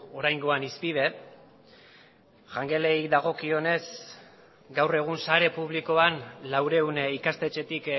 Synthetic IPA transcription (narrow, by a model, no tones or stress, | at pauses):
o̞ɾajŋɡo̞anispið̞e̞ | ʝaŋɡe̞le̞jd̪aɣ̞o̞kio̞ne̞s | ɡawre̞ɣ̞unsaɾe̞puβ̞liko̞anlawɾe̞unikast̪e̞t͡ʃe̞t̪ik